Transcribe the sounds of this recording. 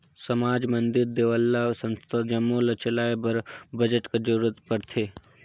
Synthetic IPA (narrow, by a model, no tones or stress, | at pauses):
sɐmaːd͡ʒmɐnd̪ɪɾd̪eːʋəlːasɐ̃nst̪ʰad͡ʒɐmːolɐt͡ʃɐlaːebɐɾbɐd͡ʒəʈked͡ʒɐɾuːɾət̪pɐɾt̪ʰeː